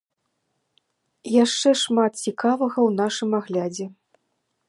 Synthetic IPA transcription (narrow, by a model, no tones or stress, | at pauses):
jaʂt͡ʂɛʂmat̪̚t͡sʲikavɐɣɐwnaʂɨmaɣlʲad͡zʲɛ